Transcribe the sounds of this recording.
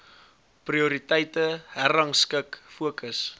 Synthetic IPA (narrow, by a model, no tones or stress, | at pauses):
priuɾitɛjtəhæɾɐŋskəkfuəkəs